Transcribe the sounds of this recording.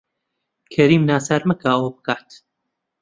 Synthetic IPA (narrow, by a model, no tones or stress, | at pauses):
kʰɐɾiːmnaːsaɾmɐkaːoːbɨkaːt̪